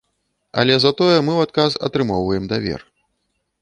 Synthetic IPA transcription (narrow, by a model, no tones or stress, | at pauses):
ɐ̰lʲɛzat̪ɔjɛmɨwat̪̚kasɐ̰t̪ɾɨmɔwvɐjɛmd̪avʲɛ̰r